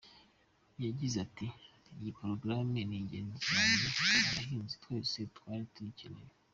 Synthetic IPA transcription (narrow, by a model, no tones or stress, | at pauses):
jaɟizati | ijipɾoɡɾameniɟeːnzijaːneaɦiːnzitwe̞ːsetwaːɾituiciɾḛjo